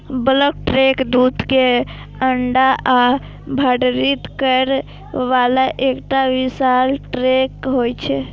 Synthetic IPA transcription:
bələk̚ʈɾekd̪ud̪ʱke | əɳɖaa | bʱəɽɾit̪kəɾ | ʋalaʔekʈaʋisalʈɾekɦojt͡ʃʰɛ

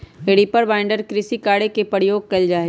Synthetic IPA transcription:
eɽipəɾʋaːɪ̃ɳɖəɾkɾɪsikaːɽekepəɽjoːɡ̚kɐld͡ʒaːe

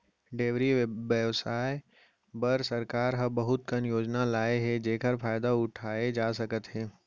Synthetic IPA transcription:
ɖeːʋɾiʋjəʋsaːe | bɐɾsɐɾkaːɾɦɐbɐɦʊt̪̚kɐnjoːd͡ʒnalaːeɦɛd͡ʒeːkəɾfaːɪd̪aʊʈʰaːed͡ʒaːsɐkət̪ɦɛː

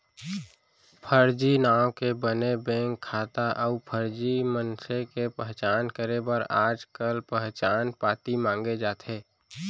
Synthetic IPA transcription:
pʰəɾd͡ʒinaːõkebənebẽːŋkʰːaːt̪aʔəupʰəɾd͡ʒimənsekepəɦt͡ʃaːnkəɾebəɾaːd͡ʒkəlpəɦt͡ʃaːnpaːt̪imãːŋɡed͡ʒaːt̪ʰeː

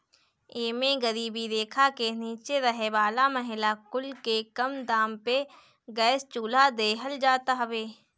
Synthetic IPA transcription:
eːmẽɡɐɾiːbid̪eːkʰakeniːt͡ʃeɾɐɦeʋaːlamɐɦɪlakʊlkekɐmd̪aːmpe | ɡɛːst͡ʃuːlad̪eːɦəld͡ʒaːt̪aɦɐʋeː

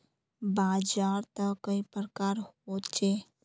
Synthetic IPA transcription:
baːd͡ʒaːɾt̪əkəipɾəkaːɾhot͡ʃeː

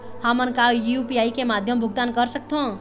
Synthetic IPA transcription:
hamənkajiupiaːikemaːd̪ʱjəmbʱʊɡt̪ankəɾsək̚t̪ʰõ

